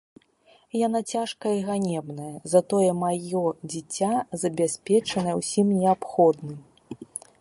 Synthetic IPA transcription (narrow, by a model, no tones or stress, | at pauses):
janat͡sʲaʂkɐiɣanʲɛbnɐjɐzat̪ɔjɛmajɔd͡zʲit͡sʲːazɐbʲasʲpʲɛt͡ʂɐnɐjɛwsʲimnʲɛapxɔd̪nɨm